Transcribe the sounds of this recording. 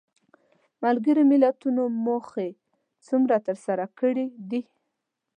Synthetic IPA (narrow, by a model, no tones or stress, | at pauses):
malɡəɾomɪlat̪unomoxe | t͡sumɾat̪əɾsaɾakəɽid̪i